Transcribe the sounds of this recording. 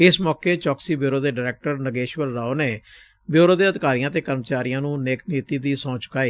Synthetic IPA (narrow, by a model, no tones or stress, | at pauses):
ɪsmɔːkeːt͡ʃɔːksiːbjoːɾoːd̪eːɖːɾɛːk̚ʈəɾnəɡeːʃʋəlɾaːoːneː | bjoːɾoːd̪eːəd̪ɪkaːɾijãːt̪eːkəɾmət͡ʃaːɾɪjãːnũːneːkniːt̪iːd̪iːsɔ̃ːt͡ʃʊ̥kaːiː